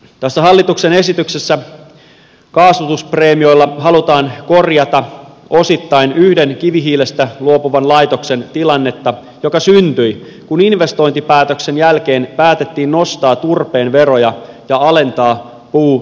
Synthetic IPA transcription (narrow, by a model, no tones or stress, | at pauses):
t̪æsːæɦɑlːit̪ukse̞ne̞sit̪yksesːæ | kɑːsʋut̪uspre̞ːmio̞jlːɑɦɑlut̪ɑːnko̞rjɑt̪ɑ | ʔo̞sit̪ːɑjnyhde̞nkiʋiɦiːle̞st̪æluopuʋɑnlɑjt̪o̞kse̞nt̪ilɑnːe̞t̪ːɑ | jo̞kɑsynt̪yj | kuninʋe̞st̪o̞jnt̪ipæːt̪økse̞njælk̟e̞ːnpæːt̪et̪ːiːnno̞st̪ɑːt̪urpe̞ːnʋe̞ɾo̞jɑjɑɑle̞nt̪ɑː | puː